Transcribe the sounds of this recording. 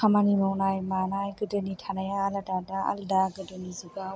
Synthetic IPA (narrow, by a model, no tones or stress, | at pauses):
kʰamanimɔwnajmanajɡɯdɯnitʰanajaːlatadaa̰lɯdaɡɯdɯnizuɡa